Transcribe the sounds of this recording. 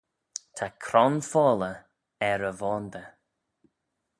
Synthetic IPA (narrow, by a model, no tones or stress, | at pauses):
t̪ʰakʰɾɔnfɔːlə | ɛɾəvɔːnd̪ə